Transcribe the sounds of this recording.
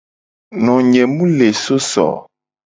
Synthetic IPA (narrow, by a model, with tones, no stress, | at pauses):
nɔ̃˨ɲɛ̃˨mũ˦le˨so˦sɔ̰˨